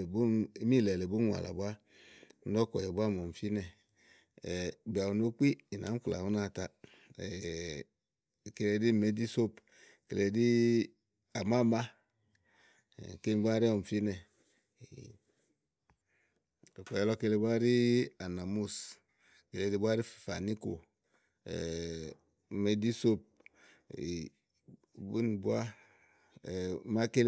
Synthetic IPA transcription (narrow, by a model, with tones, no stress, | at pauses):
bu˦mi˦˨lɛ˨le˨bu˦n˦wa̰˨la̰˨ba˦ | n̩˦dɔ˦kɔ̰˨jɛ˨bʷa˦˨m˨o˨m̩˨fi˦nɛ˨ | bi˨a˨u˨no˦k͡pi˦i˨na̰˨˦m̩˦kla̰˨u˦na˦˨ta˦˨ | ke˨le˧di˦˨me˦di˦so˦p | ke˨le˨di˦ | a˨ma˦˨ma˦˨ | ke˦ɡ͡ba˦ɾi˦ɔ˨m̩˨fi˦nɛ˨ | o˨ko˨ɛ˦lo˦ke˦le˦bʷa˦ɾi˦a˨na˨mu˦s | ke˨le˨di˦bʷa˦ɾi˦ffa˨ni˦ko̰˨ | me˦di˦so˦p̚ | bu˦nbu˦a˦˨ | ma˦ke˦l